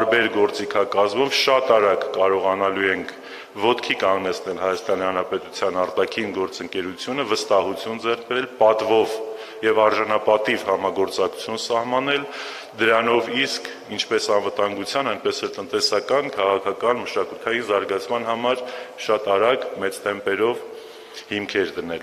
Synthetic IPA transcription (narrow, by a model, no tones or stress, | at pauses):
ɾbɛɾɡɔɾt͡sikʰɑkɑzmɔvʃɑt̪ɑɾɑɡːɑɾɔʁɑnɑluɛŋkʰ | vɔt̪kʰikɑŋɡnɛt͡sʰnɛlhɑjɑst̪ɑnihɑnɾɑpɛt̪ut͡sʰjɑnɑɾt̪ɑkʰinɡɔɾt͡səŋkɛɾut͡sʰjunəvəst̪ɑɦut͡sʰjund͡zɛrk̚ʰbɛɛlpɑt̪vɔv | jɛvɑɾʒɑnɑpɑt̪ivhɑmɑɡɔɾt͡sɑku̥t͡sʰjunsɑhmɑnɛl | d̪əɾɑnɔviskʰ | int͡ʃʰpɛsɑnvət̪ɑŋɡut͡sʰjɑnɑjnpɛsɛlt̪ənt̪ɛsɑkɑnkʰɑʁɑkʰɑkɑnməʃɑkut̪ʰɑjinzɑɾɡɑt͡sʰmɑnɦɑmɑɾʃɑt̪ɑɾɑɡmɛt͡st̪ɛmpɛɾɔv | himkʰɛɾd̪ənɛl